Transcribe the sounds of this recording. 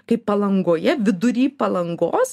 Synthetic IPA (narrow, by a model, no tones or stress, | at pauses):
kɐɪpɐlˠɐŋɡoːjɛʋʲɪd̪ʊɾʲiːpɐlˠɐŋɡoːs